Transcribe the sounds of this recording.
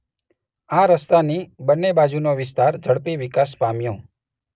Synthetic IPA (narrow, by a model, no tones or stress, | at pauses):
aɾəst̪anibənːebad͡ʒunoʋɪs̬t̪aɾd͡ʒəɽpiʋɪkas̬pamjõ